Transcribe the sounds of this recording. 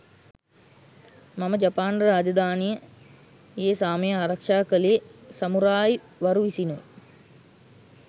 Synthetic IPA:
maməd͡ʒapaːnrəɾaːd͡ʒəd̪ʱaːnijə | eːsaːməjəaːɾakʂaːkəlejəsamuɾaːj | ʋaɾuisinṵ

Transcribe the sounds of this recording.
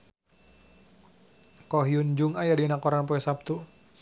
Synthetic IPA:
kɔɦjund͡ʒuŋajadinakɔɾanpɔɛsap̚t̪u

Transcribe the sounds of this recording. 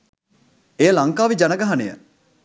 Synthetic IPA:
ejəlɐŋkaːʋid͡ʒanəɡaɦɐnḛjə̰

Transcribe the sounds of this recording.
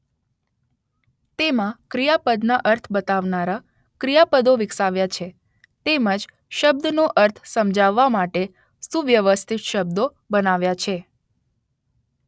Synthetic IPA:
t̪emãkɾijapəd̪naʔəɾt̪ʰbət̪aʋnaɾa | kɾijapəd̪oʋɪksaʋjat͡ʃʰe | t̪eməd͡ʒ | ʃəb̚d̪noʔəɾt̪ʰsəmd͡ʒaʋːamaʈe | suʋjəʋəst̪ʰit̪ʃəb̚d̪o | bənaʋjat͡ʃʰe

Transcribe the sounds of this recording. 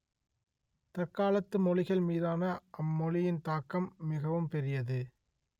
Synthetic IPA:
t̪ɐrkaːlɐt̪ːɯmɔlɪɣɐɭmiːðaːnɐʔɐmːɔlɪjɪnt̪aːkɐmːɪɣɐʋɯmpɛɾɪjɐðɯ

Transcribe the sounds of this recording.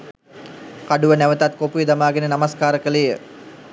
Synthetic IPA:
kaɖuʋənæʋət̪at̪̚kopujəd̪amaːɡenənamaskaːɾəkəlejə

